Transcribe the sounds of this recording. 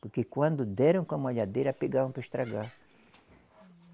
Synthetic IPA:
poɾkekwãnd̪ʊd̪ɛɾɐ̃w̃kõamaʎad̪eɾapeɡavãpɾaeʃt̪ɾaɡa

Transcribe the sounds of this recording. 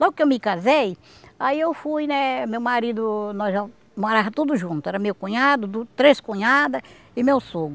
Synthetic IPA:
lɔɡʊkɪewmɪkazej | aiewfujnɛmewmaɾid̪ʊnɔzʒa | moɾavɐt̪ud̪ʊʒũnt̪ʊɛɾɐmewkõɲad̪ʊd̪ut̪ɾeskõɲad̪ɐ | ɪmewsoɡʊ

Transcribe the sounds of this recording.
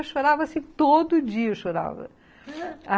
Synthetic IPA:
ɐʃoɾavɐsĩt̪od̪ud͡ʑiɐʃoɾa̰vɐ̰ | a

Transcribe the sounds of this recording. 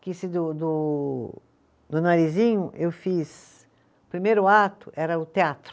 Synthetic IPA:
kisɪd̪ʊd̪ʊ | d̪ʊnaɾizĩɲʊʔewfis | ʊpɾimejɾʊat̪ʊʔɛɾɐʊt̪eat̪ɾʊ

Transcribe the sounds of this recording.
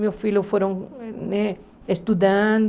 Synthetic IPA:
meofiljʊfoɾõŋnɛ | est̪ud̪ãnd̪

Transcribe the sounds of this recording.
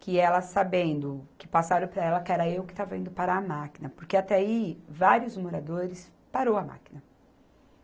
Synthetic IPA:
kɪɛlɐsabẽnd̪ʊkɪ̥pasaɾõw̃pɾɐɛlɐkɛɾɐewkɪ̥t̪avɐvẽnd̪ʊpaɾɐːmakinɐpoɾkeat̪ɛaivaɾiʊzmoɾad̪oɾɪs | paɾowɐma̰ki̥nɐ

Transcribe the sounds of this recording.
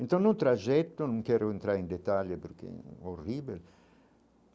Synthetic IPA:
ent̪ãnnut̪ɾaʒɛt̪ːonũŋkɛɾoent̪ɾaɾend̪et̪aʎepeɾkḛoribel

